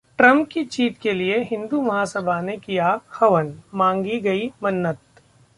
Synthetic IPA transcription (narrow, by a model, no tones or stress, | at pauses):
ʈɾɐ̃mpkit͡ʃiːt̪kelieɦɪ̃nd̪umɐɦaːsəbʱanekijaxɐʋənmãːŋɡiɡɐimɐnːət̪̚